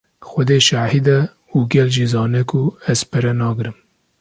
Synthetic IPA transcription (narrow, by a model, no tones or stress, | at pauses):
xʷɔd̪eːʃaːhid̪ɛ | uɡɛlʒizɑːnɛkʰuɛz̥pʰɨɾɛnɑːɡɨɾɨm